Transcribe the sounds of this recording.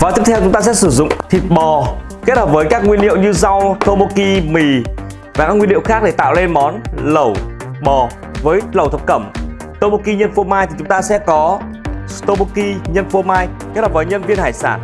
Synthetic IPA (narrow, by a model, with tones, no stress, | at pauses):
vaː˨˩t̪i˦˥ət̪ʰwt͡ɕʊ˨˦ŋ͡mt̪aː˧s̬ɛ̰˧˥sɨ˧˩zʊ̰˧˨ŋ͡mt̪ʰi˨˩t̚ɓɔ˨˩ | ke˦˥t̚həː˨˩p̚vəː˨˦jkaː˦˥k̚ŋwi˧ənhḭ˧˨əwɲɨ˧za˧wt̪o˧ɓo˧ki˧mi˨˩ | vaː˨˩kaː˦˥ŋwi˧nlḭ˧˨wxaː˦˥ɗe˧˩t̪a̰ː˧˨wle˧nmɔ˨˦nlə˧˩w | ɓɔ˨˩ | vəː˨˦jlə˨˩wt̪ʰə˨˧˩p̚kə˧˩m | t̪o˧ɓu˧ki˧ɲə˧nfu˧maː˧jt̪ʰi˨˩t͡ɕʊ˨˦ŋ͡mt̪aː˧sɛ̰˧˥kɔ˨˦ | st̪o˧ɓo˧ki˧ɲə˧nfu˧əmaː˧jke˦˥t̚həː˨˩vəː˨˦ɲə˧nvi˧ənhaː˧˩jsaː˧˩n